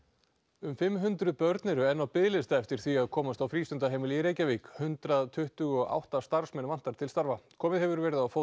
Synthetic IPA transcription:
ʏmfɪmɦʏnt̪ɾʏpœɾt̪nɛɾʏɛnːawpɪðlɪst̪aɛft̪ɪɾ̥θiaðkʰɔːmast̪awfɾiːst̪ʏnt̪aɦejmɪliɾeːjcaviːkhʏnt̪ɾaðt̪ʰʏht̪ʏɣɔɣʔa̰wht̪ast̪aɾ̥smɛnvan̥t̪aɾ̥t̪ʰɪlst̪aɾvakʰɔːmɪðɦɛvʏɾvɛːɾɪðawfo

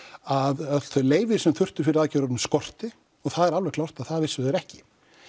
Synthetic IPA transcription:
aðḁθœɥleːjvɪɾ̥sɛmθʏr̥t̪ʏɾ̥fɪɾɪðaðcɛɾɔɾnʏmskɔr̥t̪ɪ | ɔɣθaðɛɾalvɛɾɣklawr̥t̪aðθaðvɪsʏðɛɾɛhcɪ

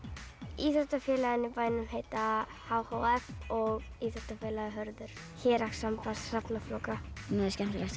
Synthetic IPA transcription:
iθat̪afjɛːlaɣɪnɪpaːjnʏmɦejt̪a | haːwhowɛfɔɣiːθḁt̪afjɛːlaðɪɦœɾðʏɾ̥ | çɛːɾaksampassapnaflowkanɛscɛmʏlɛxt̪

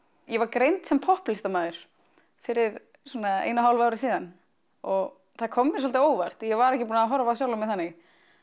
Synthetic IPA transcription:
jɛvaɾkɾejnt̪sɛmpʰɔhplɪst̪amaːðʏɾ̥ | fɪɾɪɾ | swɔːnaḛːjnaɦawlvawɾɪsiːðan | ɔɣ | θaðkʰɔmːɪɾ̥s̬ɔlt̪ɪoːwvar̥t̪jɛvaɾɛhcɪpuːnaɦɔɾavasjaːwlʏmɪðθanːɪɣ

